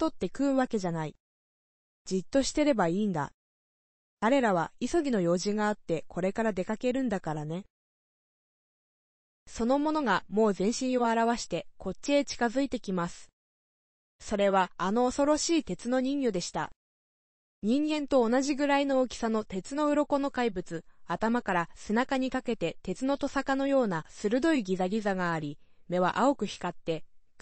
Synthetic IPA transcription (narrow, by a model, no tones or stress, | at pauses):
t̪ːo̞t̪ːe̞kɯ̟ɯβake̞ʑanai | d͡ʑit̪ːo̞ɕi̥t̪e̞ɾe̞baiːnd̪a̰ | kaɾe̞ɾaβ̞aiso̞ɡʲino̞jo̞ːʑĩŋɡaːt̪ːe̞kʰo̞ɾe̞kaɾad̪e̞kake̞ɾɯ̟̃nd̪akaɾane̞ | so̞no̞mo̞no̞ɡamo̞ːzẽ̞ɰ̃ɕĩɰ̃oaɾaβaɕi̥t̪e̞ko̞tːie̞t͡ɕi̥kazɨit̪e̞kʲimasɨ̥ | so̞ɾe̞βaːno̞ːso̞ɾo̞ɕiːt̪e̞t͡sɨno̞ɲ̟ĩŋjɯd̪e̞ɕi̥t̪a̰ | ɲ̟ĩŋɡẽ̞nt̪o̞ːnaʑiɡɯ̟ɾaino̞ːkʲi̥sano̞t̪e̞t͡sɨno̞ɯ̟ɾo̞ko̞no̞kaibɯ̟t͡sɨat̪amakaɾasenakaɲ̟ikake̞t̪e̞t̪e̞t͡sɨno̞t̪o̞sakano̞jo̞ːnasɨɾɯ̟d̪o̞iɡʲizaɡʲizaɡaːɾʲime̞β̞a̰ʔao̞kɯ̟çi̥kat̪ːe̞